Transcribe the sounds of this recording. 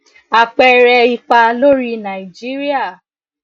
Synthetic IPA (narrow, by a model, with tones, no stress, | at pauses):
a˧k͡pɛ˧ɾɛ˧i˧k͡pa˧lo˦ɾi˦nã˨i˨d͡ʒi˦ɾi˦a˦˨